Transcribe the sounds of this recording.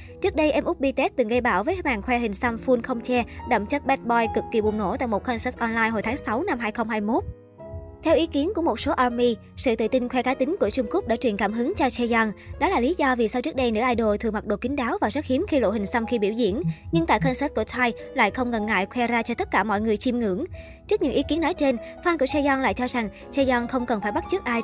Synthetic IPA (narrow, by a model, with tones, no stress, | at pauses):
t͡ɕɨ˦˥ək̚ɗə˧jʔɛ˧mʔʊ˦˥k͡p̚ɓi˧t̪ɛ˦˥t̚t̪ɨ˨˩ŋɣə˧jɓaː˧˩wvəː˨˦jmaː˨˩ŋxwɛ˧ɦï˨˩ŋ̟sə˧mfu˧nxə˧wŋ͡mt͡ɕɛ˧ɗə̰˧˩wŋ͡mt͡ɕə˦˥t̚ɓɛ˦˥t̚ɓɔ˧jkɨ˨˩kːi˨˩ɓʊ˨˩ŋ͡mno̰˧˩t̪a̰ː˧˨jmo˨˩t̚xə˧nsɛ˦˥t̚ʔɔ˧nlaː˧jhɦo̰˨˩jt̪ʰːŋsa˨˦wna˧mɦaː˧jxə˧wŋ͡mhaː˧jmo˦˥t̚ | t̪ʰɛ˧wʔi˨˦ki˨˦ənku˧˩əmo˨˩t̚so˨˦ʔaː˧mi˧ | sɨ̰˧˨t̪ɨ̰˧˨t̪ï˧nxwɛ˧kaː˨˦jt̪ï˨˦ŋ̟ku˧˩ət͡ɕʊ˧ŋ͡mku˦˥k͡p̚ɗaː˧˥t͡ɕwi˨˩ənkaː˧˩mɦɨ˨˦ŋt͡ɕɔ˧t͡ɕɛ˧za˧ŋɗɔ˨˦laː˨˩li˨˦zɔ˧vi˨˩sa˧wt͡ɕɨ˦˥k̚ɗə˧jnɨ̰˧˥əʔaː˧jɗo˨˩t̪ʰɨ˨˩ŋma˨˩k̚ɗo̰˧˨˩kï˨˦ŋ̟ɗaː˨˦wvaː˨˩zə˦˥hi˨˦mxi˧lo̰˧˨ɦï˨˩ŋ̟sə˧mxi˧ɓi˧˩wzḭ˧˩ənɲɨ˧ŋt̪a̰ː˧˨jxə˧nsɛ˦˥t̚ku˧˩t̪ʰwaː˧jla̰ː˧˨jxə˧wŋ͡mŋə˨˩nŋa̰ː˧˨jkʰwɛ˧zaː˧t͡ɕɔ˧t̪ə˦˥t̚kaː˧˩mɔ̰˧˨jŋɨ˨˩əjt͡ɕi˧mŋɨ̰˧˩˥əŋ | t͡ɕɨ˦˥k̚ɲɨ̰˧˥ŋʔi˨˦ki˨˦ənːɔ˨˦jt͡ɕe˧nfaː˧nku˧˩sɛ˧zɔ˧nla̰ː˧˨jt͡ɕɔ˧za˨˩ŋ | sɛ˧zɔ˧nxə˧wŋ͡mkə˨˩nfaː˧˩jɓa˦˥t̚t͡ɕɨ˦˥k̚ʔaː˧j